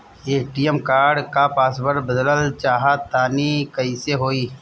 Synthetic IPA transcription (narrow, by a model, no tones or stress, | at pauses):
eːʈiːjəmkaːɾɖkapaːsbəɾbəd̪ləlt͡ʃaːɦat̪aːnikəiːseɦoːiː